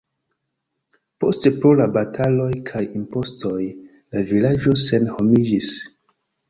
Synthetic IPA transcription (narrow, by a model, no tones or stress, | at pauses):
po̞stepɾo̞labatʰalo̞jkʰajimpo̞sto̞j | lavilad͡ʒo̞se̞nho̞mid͡ʒis